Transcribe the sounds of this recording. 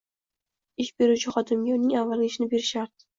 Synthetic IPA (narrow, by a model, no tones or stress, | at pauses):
ɪʃbe̞ɾut͡ʃʰɪχɒt̪ɪmɡʲaʊnɪŋavːalɡʲaɪʃnɪbe̞ɾɪʃaɾd̪̥ɪ